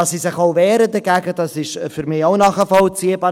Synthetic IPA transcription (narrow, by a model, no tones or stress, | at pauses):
ɑssisɪχoʊvɛːɾəd̪ɛɡæɡəd̥ɑsɪʃfyɾmɪːoʊnɑχəfɔlt͡siːəbɑː